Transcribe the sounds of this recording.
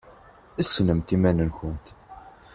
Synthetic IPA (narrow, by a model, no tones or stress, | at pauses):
əsːnəmt̪imænənçənt̪